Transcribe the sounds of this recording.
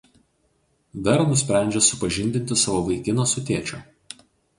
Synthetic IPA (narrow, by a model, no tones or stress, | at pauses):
d̪ɐɾnʊsʲpʲɾʲæˑnʲd͡ʒʲɛsʊpɐʒʲɪnʲd̪ʲɪnʲt̪ʲɪsɑːʋoːʋɐɪkʲɪnoːsʊt̪ʲeːt͡ʃʲoː